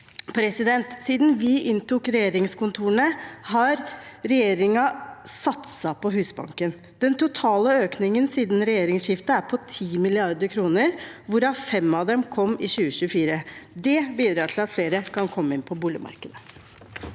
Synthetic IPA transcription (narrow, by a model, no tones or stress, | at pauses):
pʰɾɛsɪd̪ɛnt̪siːd̪n̩ʋɪʔɪnt̪ʰʊkɾɛjeːɾɪŋskʊnt̪ʰuːəɳəhɑɾɾɛjeːɾɪŋɑsɑt̪sɑpʰɔɦʉːsbɑ̰ŋkən | d̪̥ɛnt̪ʰʊt̪ʰɑːləøːknɪŋənsiːd̪n̩ɾɛjeːɾɪŋsɕɪft̪əæɾpʰɔt̪ʰiːmɪlɪɑɾd̪əɾkʰɾuːnəɾʋʊɾɑfɛmːɑʋd̪ɛmkʰɔmːɪɕʉːəɕʉəfiːɾəd̪ɛbiːd̪ɾɑʈʰɪlɑt̪fleːɾəkʰɑnkʰɔmːəɪnpʰɔbuːlə̰mɑ̰ɾkəd̪ə